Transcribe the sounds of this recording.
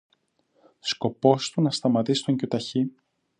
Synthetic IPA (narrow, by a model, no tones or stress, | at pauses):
sko̞po̞st̪unɐst̪ɐmɐt̪isi̥st̪o̞ɲcut̪ɐçi